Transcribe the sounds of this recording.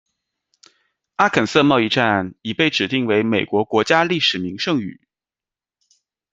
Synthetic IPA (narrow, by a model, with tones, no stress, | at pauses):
a˥kʰə˨˩nsɤ˥˧mɑ˥˧ʊi˥˧ʈ͡ʂa˥˩ni˨˩pe˥˩ɪʈ͡ʂɻ̩˨˩t̪i˥˩ŋwe˧˥ɪme˨˩ɪkwɔ˧˥kwɔ˧˥t͡ɕja˥li˥˩ʂɻ̩˨˩mi˧˥ŋʂɤ˥˧ŋy̰˨˩˦